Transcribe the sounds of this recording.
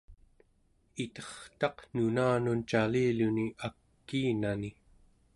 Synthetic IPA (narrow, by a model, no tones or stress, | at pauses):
it̪ʌχt̪ɑqnunaːnunt͡ʃaliːluniʔakːiːnani